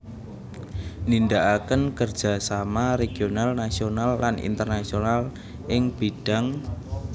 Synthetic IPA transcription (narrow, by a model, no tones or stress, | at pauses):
nindaʔakənkərd̥d͡ʒ̥a̤samaɾeɡ̥ionalnasionalːanḭnt̪ərnasional | ʔɪŋb̥iɖ̥a̤ŋ